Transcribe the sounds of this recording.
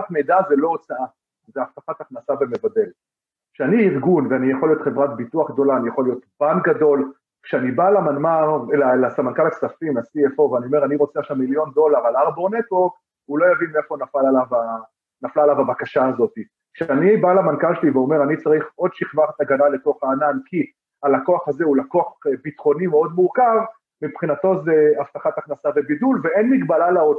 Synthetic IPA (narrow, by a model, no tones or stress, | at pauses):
atmejd̪azelo̞ot͡saa | veaft̪afat̪aχnasaveme̞vade̞l | kʃeaniːʁɡunveanijaχolijo̞t̪χe̞vʁat̪̚bituaχɡ̚d̪o̞laːnijaχolːijo̞t̪b̥anɡado̞l | kʃeanibalamanmaʁelalasamankalaksafimnasiefoveanio̞me̞ʁaniʁo̞t͡seaχʃamːiljo̞nd̪o̞laʁalaʁboʁnet̪woʁk | ulo̞javinmiefonafalalava | naflaːlavabakaʃaːzo̞t̪i | kʃeanibalamankalʃeliveo̞me̞ʁanit͡saʁiχo̞d̪ʃiχvaχet̪aɡanale̞to̞χaːnankʰi | alako̞aχaze̞ulakoaχbit̪χo̞nimeo̞d̪muʁkav | mipχinat̪o̞zeaft̪aχat̪aχnasabebidulveenmiɡbalalaod